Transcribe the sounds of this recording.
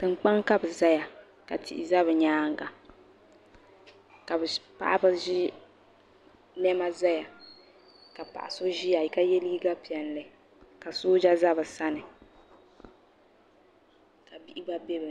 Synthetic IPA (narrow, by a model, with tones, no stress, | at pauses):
tɨ˨ŋ͡mk͡pa˦ŋka˦bɨ˨za˦ja˨ | ka˨tʰḭ˨ʔḭ˨za˦βɨ˨ɲaː˦ŋ˦ɡa˨ | ka˨bɨ˨pa̰˦ʔa˦bɨ˦ʒi˦ | nɛ˦ma˦za˦ja˨ | ka˨pa̰˨ʔa̰˨so˦ʒi˦ja˨i˨ka˦jɛ˦liː˦ɡa˦pi˨ɛ˨n˨lɨ˨ | ka˨soː˦d͡ʒa˦za˦bɨ˨sa˦nɨ˨ | ka˨bi˦ʔi˦ba˦bɛ˦bɨ˨